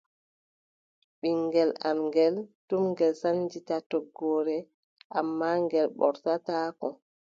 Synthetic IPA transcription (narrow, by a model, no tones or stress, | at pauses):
ɓiŋɡɛlamŋɡɛltumŋɡɛlsand͡ʒitatɔɡɔːɾɛ | ʔamːaŋɡɛlɓɔ̰ɾtataːkɔ